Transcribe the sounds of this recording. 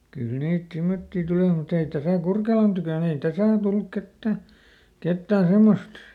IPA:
kyl niːt simːotːi tuliˑ mut ei tæsæˑ kurkelɑn tykøˑn ei tæsæˑ ol tulːuk ketːæ ketːæː semːost

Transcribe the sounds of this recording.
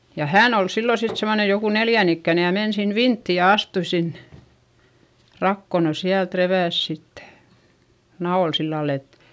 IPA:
jɑ hæːn ol silːo sit semːone joku neljæn ikːæˑne jɑ men sin ʋintːi jɑ ɑstui sinːe̥ rɑkːo no siælt reʋæˑs sitːe̥ nɑol silːɑl et

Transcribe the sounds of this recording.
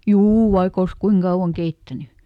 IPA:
juː ʋɑik ols kuiŋ kɑuw̆ɑŋ keitːæny

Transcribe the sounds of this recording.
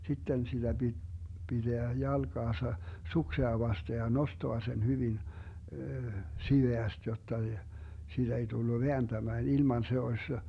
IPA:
sitːen sid̥æ b̥id̥ b̥id̥eæ jɑlɡ̊ɑːsɑ sukseɑ ʋɑste jɑ nostoɑ sen hyʋin siʋeæst jotːɑ siːd̥æ ei tulːu ʋeænd̥æmæːn ilmɑn se osʲ

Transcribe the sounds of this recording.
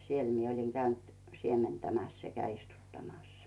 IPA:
siel mie olʲiŋ kæynt siementæmæs sekæ istutːɑmɑs

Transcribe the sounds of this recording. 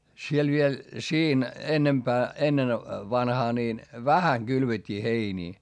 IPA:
siel ʋiel siːn enːempæː enːen ʋɑnhɑː niːn ʋæhæŋ ɡ̊ylʋetʲːiː heiniː

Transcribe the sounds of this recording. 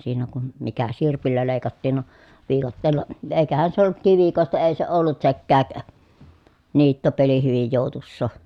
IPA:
siːnæ kun mikæ sirpilːæ leˑi̯kɑtːiːn no ʋiːkɑtːeːlˑɑ eˑi̯kæhæn se olːut kiʋikoˑestɑ eˑi se olːut sekːæːk niːtːopeli hyʋij joˑu̞tusːoˑ

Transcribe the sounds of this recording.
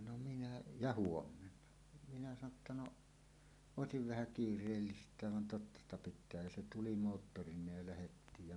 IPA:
no minæ jɑ huomːenːɑ minæ sɑno tːɑ no oˑesiʋ ʋæhæ kiːrˑeːlːistˑæːʋ ʋɑn totːɑ stɑ pitˑæː jɑ se tuli moːtːorinˑeːj jɑ læhetːiːj jɑ

